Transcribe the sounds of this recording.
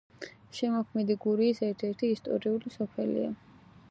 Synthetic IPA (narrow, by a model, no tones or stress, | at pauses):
ʃɛmɔkʰmɛd̪iɡuɾiːsɛɾt̪ʰɛɾt̪ʰiːst̪ʼɔ̰ɾiulisɔpʰɛlḭa̰